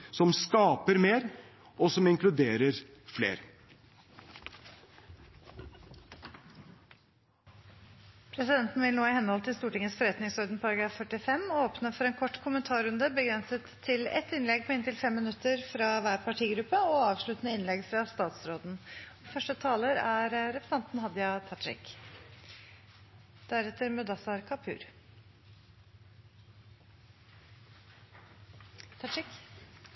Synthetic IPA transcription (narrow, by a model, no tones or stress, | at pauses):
sɔmskɑːpəɾmeːɾ | ɔsɔmɪŋklʉd̪eːɾəɾ | flḛːɾ | pʰɾɛsɪd̪ɛnt̪n̩ʋɪlnoːɪhɛnhɔlt̪ɪlst̪uːʈɪŋəsfɔɾɛt̪nɪŋsɔɾd̪ənpʰɔɑɾɑɡɾɑːfːœʈɪfɛmːoːpnəfɔɾɛːnkʰɔʈːkʰʊmənt̪ʰɑːɾʉnd̪əbəɡɾɛnsət̪ʰːɪlɛ̰t̪ɪnlɛɡ̚pʰɔɪnt̪ɪlfɛmːɪnʉt̪ːəɾfɾɑʋæːɾpʰɑʈʰiːɡɾʉpːəɔɑːʋʂɭʉt̪ənəɪnlɛɡfɾɑst̪ɑːt̪sɾoːd̪n̩ɔfœʂʈət̪ʰɑːləɾæɾɾɛpɾəsɛnt̪n̩hɑd̪jɑt̪ʰɑʈɾɪ̰k | d̪̥æɾɛt̪ːəɾmʉd̪ɑsɑɾkʰɑpʰʉ̰ːɾ | t̪ʰɑɪk